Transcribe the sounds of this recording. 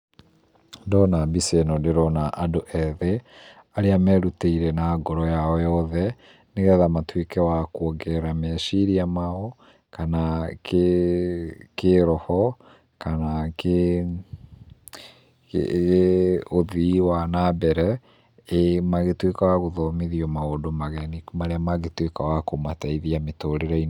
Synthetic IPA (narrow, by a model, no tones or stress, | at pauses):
dɔnabisɛnɔdeɾɔnaʔadoʔɛðɛ | aɾeamɛɾuteiɾɛnaɡɔɾɔjaɔjɔðɛ | neɣɛðamatwekɛwakwoɡɛɾamɛʃiɾiamaɔ | kanak | keɾɔhɔ | kanake | oðiwanabɛɾɛ | emaɣetwekawaɣoðɔmeðiɔmaodomaɣɛnimaɾeamaɣetwekawakomataiðiametoɾeɾain